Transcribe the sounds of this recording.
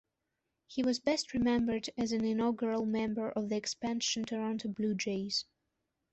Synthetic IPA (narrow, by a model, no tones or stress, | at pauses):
hiwʌzbɛst̚ʰɹɨmɛ̃mbə˞dɨzɨ̃nɪ̃nɔɡə˞əl̩ˠmɛ̃mbə˞ʔʌvðiɨkspæ̃nʃɨ̃ntʰəɹãntəblud͡ʒeɪz̥